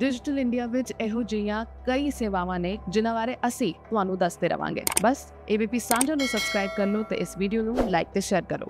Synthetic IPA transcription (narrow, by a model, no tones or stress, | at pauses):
ɖɪd͡ʒɪʈəlɪɳɖijaːʋɪt͡ʃeːɦõːd͡ʒɪjãːkəiːseːʋaːʋãːnẽːd͡ʒɪnãːʋaːɾeːʔəsĩːt̪ʊɦãːnũːd̪əsd̪eːɾə̰ʋã̰ːŋɡḛːbəs | eːbiːpiːsãːd͡ʒãːnũːsəbskɾaːɪb̚kəɾnoːt̪ḛːʔɪsʋiːɖijoːnũːlaːɪk̚t̪eːʃɛːɾkəɾo̰ː